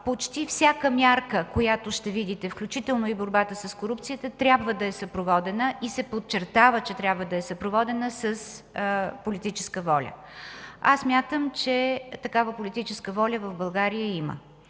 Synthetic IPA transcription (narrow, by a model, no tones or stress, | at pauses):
pot͡ʃt̪ifsʲjakəmjaɾkəkojat̪oʃt̪ɛvid̪it̪ɛfklʲut͡ʃit̪ɛlˠnoiboɾbat̪əsəskoɾup̚t̪sijət̪ət̪ɾʲabvəd̪ɐɛsɐpɾovɔd̪ɛnəʔisɛpot̪̚t͡ʃɛɾt̪avət͡ʃɛt̪ɾʲjabvəd̪ɐɛsɐpɾovɔd̪ɛnəsəs | polit̪it͡ʃɛ̥skəvɔlʲə̰ | a̰sːmʲjat̪əmt͡ʃɛt̪ɐkavəpolʲit̪it͡ʃɛskəvɔlʲəvəvbɐlˠɡaɾijəimə̰